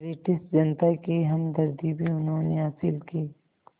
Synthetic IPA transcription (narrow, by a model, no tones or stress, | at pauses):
ɾiːʈɪsʈ̪d͡ʒɐnt̪akiɦɐmd̪ɐɾd̪iːbiʊnɦõːneɦaːsɪlkiː